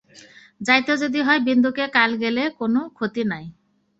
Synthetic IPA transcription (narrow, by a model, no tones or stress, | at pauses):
d͡ʑajt̪od͡ʒod̪iɦɔejbind̪ukekalɡelekonokʰot̪inaj